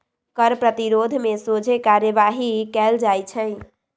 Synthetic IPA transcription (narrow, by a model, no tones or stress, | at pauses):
kəɾpɾət̪iɾod̪ʱmesod͡ʒʱekaɾjəʋaɦikɛld͡ʒajt͡ʃʰə̃ɪ